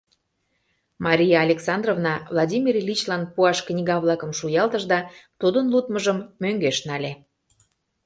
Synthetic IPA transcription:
mɑɾʲijɑːlʲeksɑnd̪rovnɑvlˠɑdʲimʲirlʲit͡ɕlɑnpuɑʃknʲiɣɑβlˠɑkə̆mʃujɑld̪əʒd̪ɑt̪ud̪ənlut̪məʒəmːøŋɡeʃnɑlʲe

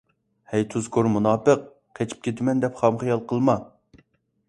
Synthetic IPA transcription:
hɛjt̪ʰuzkʰoɾmunɑːpəq̚ | qʰɛt͡ʃʰi̥p̚kʲʰet̪ʰɪmɛnd̪ɛpχɑmχijɑlˠqʰəlˠmɑ

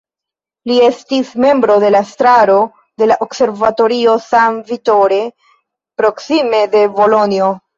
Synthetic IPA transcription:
lie̞stisme̞mbɾo̞de̞lastɾaɾo̞ | de̞laʔokse̞ɾvato̞ɾio̞samvito̞ɾe̞ | pɾo̞ksime̞de̞vo̞lo̞nio̞

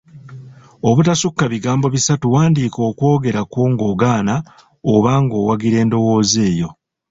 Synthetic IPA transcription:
oβutasukːaβiɡaːmbo̞βisatuwaːndiːko̞ːkwo̞ːɡe̞ɾakwoːŋɡo̞ːɡaːna | oβaːŋɡo̞ːwaɡiɾe̞ːndo̞wo̞ːze̞ːjo̞̰

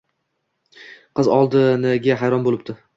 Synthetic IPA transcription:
qɨzɒlˠd̪ɪnɪɡʲaɦajɾɒnbolɪp̚t̪ɪ

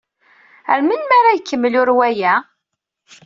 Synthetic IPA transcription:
ə̰ɾmənmaɾajəkːəmːəlʊɾwæjæ

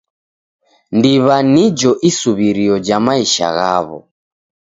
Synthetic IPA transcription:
ndiβanid͡ʒɔʔisuβiɾiɔd͡ʒamaiʃa̰ɣa̰βɔ̰

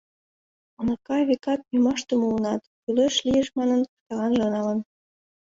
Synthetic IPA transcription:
ɑnɑkɑβekɑt̪̚jymɑʃt̪ə̆muənɑt̪kyløʃlijĕʃmɑnə̆nkt̪ɑlɑnʒŏnɑlə̆n

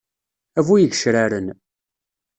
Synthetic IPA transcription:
ævujəʝəʃɾæɾən

